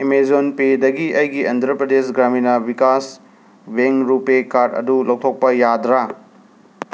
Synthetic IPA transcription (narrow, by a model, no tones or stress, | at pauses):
imezonpedɐɡiʔɐjɡiɐnd̪ʰʱɾɐpɾɐd̪esɡɾaminɐbikas | beŋɾupekaɾdɐ̰dulɐwt̪ʰok̚pɐjad̪ɾa